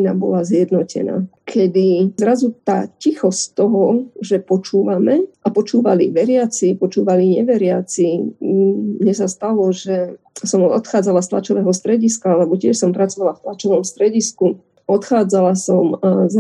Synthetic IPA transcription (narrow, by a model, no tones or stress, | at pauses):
nabɔ̰lazjɛd̪nɔcɛ̰na̰ː | kʰɛd̪izɾazut̪a̰ːcixɔsct̪ɔɦɔʒɛpɔt͡ʃuːʋamɛʔapɔt͡ʃuːʋaliʋɛɾɪat͡sipɔt͡ʃuːʋaliɲɛʋɛɾɪat͡si | ɲɛsast̪alɔʒɛ | sɔmɔ̰t̪xaːd͡zalast̪la̰t͡ʃɔʋɛːɦɔst̪ɾɛɟiskalɛbɔcɪɛʃsɔmpɾat͡sɔʋalaft̪lat͡ʃɔʋɔmst̪ɾɛɟisku | ɔt̪xaːd͡zalasɔmaz